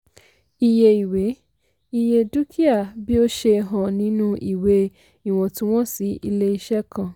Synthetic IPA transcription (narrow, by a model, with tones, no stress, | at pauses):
i˧˨je˧i˨we˨˦ | i˧je˧du˦kʰi˦a˦˨bi˦o˦ʃe˧ɦɔ̃˨nĩ˨˦nũ˦ʔi˦˨we˧˦ | i˦˨w̃ɔ̃˧tũ˦w̃ɔ̃˦si˨˦i˧le˦i˧ʃɛ˦kã˧˨